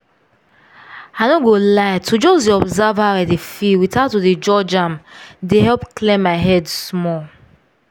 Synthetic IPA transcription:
anoɡolaɪtʰud͡ʒɔsdeɔbzavhaaɪdefiwitatuded͡ʒɔd͡ʒãmdeɦɛlpklẽmːaɪɦɛdsmɔl

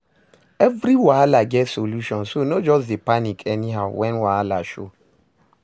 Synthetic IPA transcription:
ɛvɾiwalaɡɛtsoluʃɔ̃nsonɔd͡ʒɔsdepanikʰɛniɦaʊwɛ̃nwalaʃo

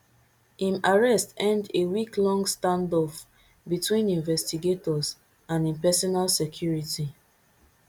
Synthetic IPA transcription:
ĩmaɹɛstɛ̃ndewiklɔ̃ŋɡstãndɔf | bitwĩnĩnvɛstiɡetɔs | ãnĩmpɛsɔnalsekʰjuɹiti

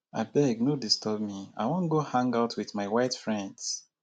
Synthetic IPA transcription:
aɪbɛɡ̚nodistʰɔb̚mia̰ɪwõntɡohãŋɡaʊtʰwiðmaɪwaɪtfɹɛ̃nds

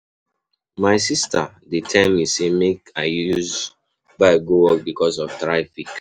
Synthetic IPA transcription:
maɪsistʰa | detʰɛ̃misemekaɪjus | baɪɡowɔk̚bikɔs̬ɔftɹafik

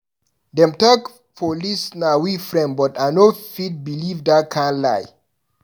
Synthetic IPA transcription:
dɛ̃mtak | pʰolisnawifɹɛ̃nbɔtanofit̚bilivdakʰãnla̰j

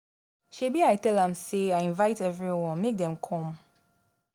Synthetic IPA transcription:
ʃebiaɪtɛlãmseajĩnvaɪtɛvɹiwɔ̃nmek̚dɛ̃mkʰɔ̃m

